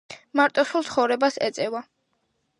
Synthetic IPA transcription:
maɾt̪ʼɔsulˠt̪sʰχɔvɾɛbasɛ̰t̪sʼɛva

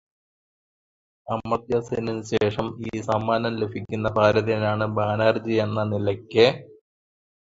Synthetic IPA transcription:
ɐmːɐt̪jɐseninɨɕeːʂɐmiːsɐmːaːnɐmle̞bʱikʲːunːɐpaːɾɐðijɐnaːɳɨbaːnaːrd͡ʑijɐnːɐnilɐkʲːɨ

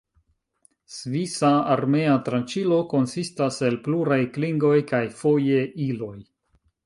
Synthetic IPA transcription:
svisaaɾme̞atɾant͡ʃilo̞ko̞nsistase̞lpluɾajkliŋɡo̞jkajfo̞je̞ilo̞j

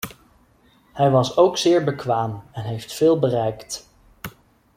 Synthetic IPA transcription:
hɛjʋɑsowksɪːɹbəkʋaːmɛnɦejftfɪːlˠbərɛjkt

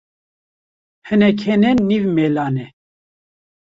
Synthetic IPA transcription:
hənɛkʰɛnɛnːivmɛlanɛ

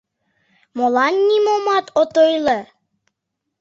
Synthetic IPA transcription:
molɑnʲːimomɑt̪ot̪ojlə

